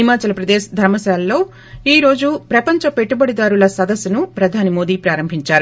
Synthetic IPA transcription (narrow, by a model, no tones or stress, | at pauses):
imaːt͡ʃɐlɐpɾɐd̪ɛːʃɐd̪ʱɐɾmɐsaːlːo̞ː | iːɾo̞ːd͡ʒupɾɐpɐɲt͡ʃɐpeʈːubɐɽid̪aːɾulɐsɐd̪ɐsjɐnupɾɐd̪ʱaːnimo̞ːd̪iːpɾaːɾɐmbʱiɲt͡ʃaːɾu